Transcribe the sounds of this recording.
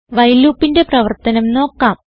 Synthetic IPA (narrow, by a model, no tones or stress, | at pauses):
ʋɐjlːuːpːinde̞prɐʋɐrt̪ɐnɐmno̞ːkːaːm